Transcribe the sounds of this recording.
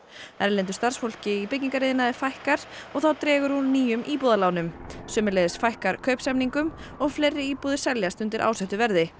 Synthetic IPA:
ɛɾlɪnt̪ʏ̥st̪arsfol̥cɪipɪcɲiŋkaɾeːðɪnaðɪɾfajhkaɾ̥ɔɣθawt̪ɾɛːɣʏɾ̥hunnːiːjʏmʔiːpuðalaːwnʏmsʏːmɪlɛðɪsfajhkaɾkʰœɥpsɛmniŋkʏmɔɣflejɾːɪiːpuðɪ̥sɛljast̪ʏnt̪ɪɾʔa̰wsɛht̪ʏvɛɾðɪ

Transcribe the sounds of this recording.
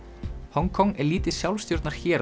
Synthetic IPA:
hɔŋkʰɔŋɛɾliːt̪ɪsjawlst̪jowɾt̪naɾ̥çɛːɾ

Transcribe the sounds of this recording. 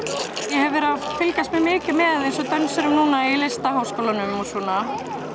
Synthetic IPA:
jɛɦɛvɪɾafɪlcast̪mɛmɪːcɪmɛðejnsɔt̪œnsʏɾʏmnuːnailest̪aɦoːwskoːlanʏmɔsɔːna

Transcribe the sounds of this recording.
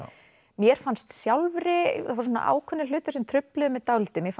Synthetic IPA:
mjɛɾ̥fanst̪sjawlvɾɪavaɾs̬ɔna̰ʔa̰ːwkʰœnːɪlʏːt̪ḁsɛmt̪ʰɾʏplɪðʏmɛðt̪awlɪt̪ɪmjɛf

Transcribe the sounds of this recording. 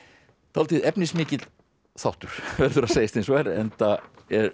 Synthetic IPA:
t̪ʰalt̪ɪðɛpnɪsmɪːcɪt̪ | θawht̪ʏɾ̥vɛɾðʏɾaðsejast̪ʰẽnsvɛɾɛ̰nt̪a | ɛɾ

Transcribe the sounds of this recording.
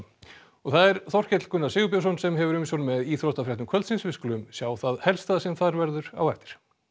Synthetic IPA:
ɔɣθaðɛɾ̥θɔr̥cɛt̪l̥kʏnːasɪːɣʏp̬jasɔnsɛmɦɛvʏɾʏmsɔnmɛðiːθɾɔhst̪afɾjɛht̪ʏmkʰœlt̪sinsvɪsklʏmsjaːwθaðhɛlst̪aːðsɛmθaɾvɛɾðʏɾa̰wɛft̪ɪ̥ɾ̥

